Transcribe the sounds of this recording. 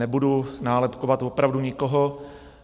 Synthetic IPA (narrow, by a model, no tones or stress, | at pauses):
ɛbudunaːlɛpkovat̪vopɾavduɲɪkoɦo̞